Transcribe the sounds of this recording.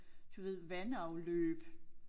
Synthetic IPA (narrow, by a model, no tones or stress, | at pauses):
d̥uʋe̝ð̰ˠʋænɑ̈ʊløːb̥